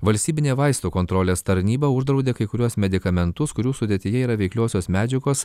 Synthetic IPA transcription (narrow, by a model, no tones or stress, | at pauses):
ʋɐlʲsʲt̪ʲiːbʲɪnʲeːʋɐɪst̪uːkoːnt̪ɾoːlʲeːst̪ɐɾʲnʲiːbɐʊʒd̪ɾɐʊd̪ʲeːkɐɪkʊɾʲuɔsmʲɛd̪ʲɪkɐmʲɛnt̪ʊskʊɾʲuːsʊd̪ʲiɛt̪ʲɪjɛiːɾɐʋʲɛɪklʲoɔsʲoːsmʲæːd͡ʒʲɛɡoːs